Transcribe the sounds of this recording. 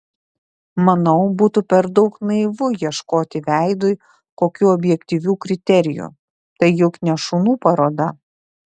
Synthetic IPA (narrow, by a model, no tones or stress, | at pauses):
mɐnɒʊbuːt̪upʲɛɾd̪ɐʊknɐɪʋʊjiɛʃkoːt̪ʲɪʋʲæˑɪd̪ʊj | koːkʲuːɔbʲjɛkt̪ʲiʋʲuːkɾʲɪt̪ʲɛɾʲɪjṵ | t̪ɐɪjʊknʲɛʃʊnuːpɐɾoːd̪ɐ